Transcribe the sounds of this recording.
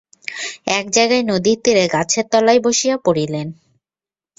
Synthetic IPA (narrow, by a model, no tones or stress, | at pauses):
ɛk̚d͡ʑajɡaenod̪iɾt̪iɾeɡat͡ɕʰeɾt̪ɔlajboʃijapoɽilen